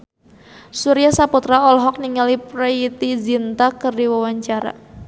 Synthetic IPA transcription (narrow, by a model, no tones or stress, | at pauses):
suɾijasaput̪ɾaɔlɦɔk̚niŋalipɾait̪izint̪akɨrdiwawaɲt͡ʃaɾa̰